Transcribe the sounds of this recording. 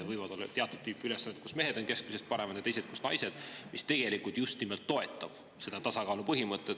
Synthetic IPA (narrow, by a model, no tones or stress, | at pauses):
vɤjvɑd̪o̞lːɑ̰t̪eɑt̪ːˑud̪̥̚t̪yːpːylesːɑnːt̪̚kusme̞ɦe̞d̪̥o̞nke̞skusest̪̚pɑɾe̞mɑt̪ɑt̪e̞jse̞t̪̚kusnɑ̰jse̞d̪̥mist̪e̞ɡ̥e̞likult̪just̪nimelt̪ːo̞e̞t̪ˑːɑb̥ | se̞d̪̥ɑt̪ɑsɑkɑːlupɤɦimɤt̪ːˑe